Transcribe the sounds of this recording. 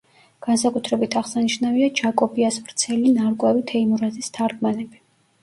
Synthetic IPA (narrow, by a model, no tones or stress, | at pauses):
ɡ̥ansakʼut̪ʰɾɛbit̪ʰaʁsaniʃnaviad͡ʒakʼɔbiasvɾt̪sʰɛlinaɾkʼwɛvit̪ʰɛimuɾazist̪ʰaɾɡmanɛbi